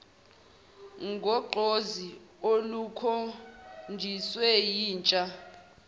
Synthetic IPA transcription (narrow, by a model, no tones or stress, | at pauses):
ŋɡʱɔɡ͡ǃʱoziolukʰond͡ʒʱiswɛjiːnt͡ʃʼa